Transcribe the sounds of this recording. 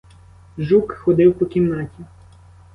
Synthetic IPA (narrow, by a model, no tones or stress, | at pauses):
ʒukxɔd̪ɪwpɔkʲimnɑtʲi